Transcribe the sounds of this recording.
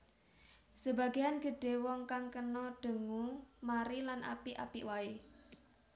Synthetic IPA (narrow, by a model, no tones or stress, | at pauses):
səba̤ɡeanɡ̥ə̤ɖ̥e̤wɔŋkaŋkənɔɖ̥ə̤ŋumaɾilanʔa̰piʔa̰pḭwae